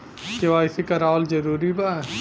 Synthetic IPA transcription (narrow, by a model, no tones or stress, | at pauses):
keʋaːɪsikɐɾaːld͡ʒɐɾuːɾiba